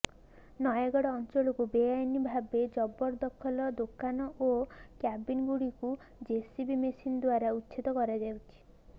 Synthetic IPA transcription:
nɔjaɡɔɽɔːnt͡ʃɔɭɔkubeajnibʱabed͡ʒɔbɔɾd̪ɔkʰɔlɔd̪okanɔʔokjabinɡuɽiku | d͡ʒesibimesinɔd̪waɾautːʃʰit̪ɔkɔɾad͡ʒawt͡ʃʰi̥

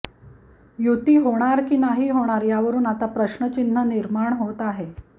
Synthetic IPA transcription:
jut̪iːɦoɽ̃aɾkiːnaɦiːɦoɽ̃aɾjaʋəɾuːnat̪apɾəɕɳət͡ɕin̤ːəniɾmaɳɦot̪aɦe

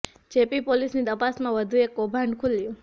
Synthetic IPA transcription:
d͡ʒepipolisnid̪əpasmãʋəd̪ʱuekːobʱaɳɖkʰuljũ

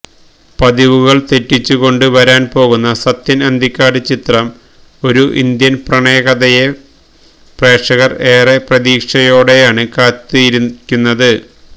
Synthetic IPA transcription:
pɐðiʋuɣɐɭt̪e̞tːit͡ɕːuɣo̞ɳɖɨʋɐɾaːnpo̞ːɣunːɐsɐt̪ːinɐnd̪ʱikʲːaːɽɨt͡ɕit̪rɐm | o̞ɾuʔḭnd̪jɐnprɐɳeːɣɐðɐje | pre̞ːʂɐɣɐreːreprɐðiːkʂɐjo̞ːɽe̞jaːɳɨkaːt̪ːijkʲːunːɐðɨ

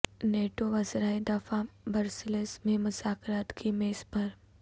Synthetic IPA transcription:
neːʈoʋɐzɾaːed̪ɐfabɐɾsɪlesmẽmʊzaːkɾaːt̪kʰimeːspɐɾ

